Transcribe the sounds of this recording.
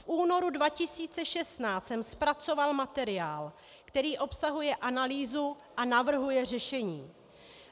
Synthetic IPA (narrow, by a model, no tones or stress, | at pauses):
fʔuːno̞ɾudvacɪsiːt͡sɛʃɛst̪naːsɛmspɾat͡so̞valmat̪ɛɾɪaːl | kt̪ɛɾiːʔo̞psaɦujɛʔanaliːzu | ʔanavr̩ɦujɛr̝ɛʃɛɲiː